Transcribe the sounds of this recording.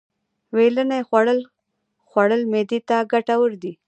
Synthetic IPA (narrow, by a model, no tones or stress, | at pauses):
welənajxwaɽəl | xwaɽəlmed̪et̪aɡaʈawəɾd̪i